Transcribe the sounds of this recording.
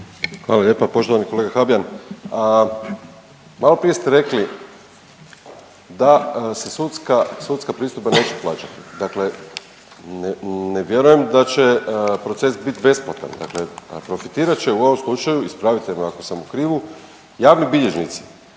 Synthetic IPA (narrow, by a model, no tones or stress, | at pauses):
xʋaːlˠaʎe̞ːpapo̞ʃt̪oʋaniko̞leɡaxabijanə | malo̞pɾije̞st̪eɾe̞kli | d̪asesut̪skasut̪skapɾiːst̪upbane̞ːt͡ʃeplˠaːt͡ʃat̪i̥d̪akle̞ | nneʋje̞ɾuje̞md̪at͡ʃe̞pɾo̞t̪se̞sbit̪be̞spot̪a̰nd̪a̰kle̞pɾo̞fit̪iːɾat͡ʃe̞uo̞ʋomslˠut͡ʃajuispɾaʋit̪emoako̞samukɾiːʋu | jaːʋnibiʎe̞ʒnit̪si̥